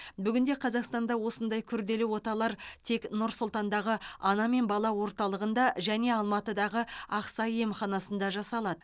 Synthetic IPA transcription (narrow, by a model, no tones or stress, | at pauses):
bʏɡʲɪnd̪e̞qʰɑzɑqst̪ɑnd̪ɑwo̞sənd̪ɑjkʲʰʏɾd̪e̞lɪwo̞t̪ɑlˠɑɾt̪ʰe̞knʊɾsʊlˠt̪ɑnd̪ɑʁəɑnɑme̞nbɑlˠɑwo̞ɾt̪ɑlˠəʁənd̪ɑʒæne̞ɑlˠmɑt̪əd̪ɑʁəɑqsɑjemχɑnɑsənd̪ɑʒɑsɑlˠɑd̪əə